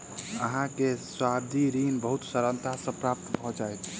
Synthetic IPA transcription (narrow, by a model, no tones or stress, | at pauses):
əɦãkeswabd̪ʱiɾinbəɦut̪səɾənt̪asə̃pɾap̚t̪bʱɔd͡ʒajt̪